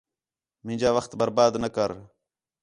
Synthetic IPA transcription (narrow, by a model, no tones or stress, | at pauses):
mɪ̃d͡ʒaːʋəxt̪bəɾbaːd̪nəkəɾ